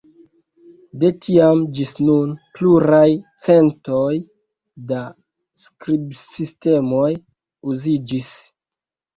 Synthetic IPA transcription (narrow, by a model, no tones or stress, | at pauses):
de̞tʰiamd͡ʒisnunpluɾajt͡se̞ntoj | da | skɾibsiste̞moj | uzid͡ʒis